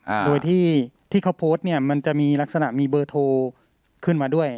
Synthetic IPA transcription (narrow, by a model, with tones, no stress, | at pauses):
doː˧jt̪ʰiː˥˩t̪ʰiː˥˩kʰa˦˥wpʰoː˦˥t̪̚ni˥˩ɐma˧nt͡ɕa˨˩miː˧la˦˥k̚sa˧na̰˨˩ʔmiː˧bɤː˧t̪ʰoː˧ | kʰɯ˥˩nmaː˧du˥˩əj